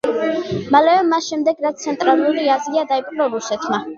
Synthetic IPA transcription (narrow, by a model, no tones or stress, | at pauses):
malɛvɛmasʃɛmd̪ɛɡɾat̪st̪sʰɛnt̪ʼɾalˠuɾiaziad̪aipʼqʼɾɔɾusɛt̪ʰma